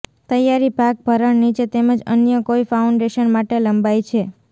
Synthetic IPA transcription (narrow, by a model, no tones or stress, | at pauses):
t̪əjaɾibʱak̚bʱəɾəɳnit͡ʃʰet̪eməd͡ʒənjəkoifauɳɖeʃənmaʈeləmbajt͡ʃʰe